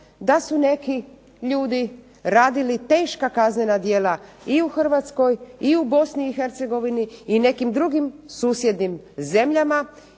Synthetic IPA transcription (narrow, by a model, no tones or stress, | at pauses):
d̪asune̞ki | ʎuːd̪i | ɾaːd̪ilit̪e̞ːʃkakaznenad̪jeːlaiuxr̩ʋat̪sko̞jiubo̞sniːxe̞ɾt̪se̞ɡo̞ʋiniːne̞kimd̪ɾuɡimsuːsje̞d̪nim | ze̞mʎama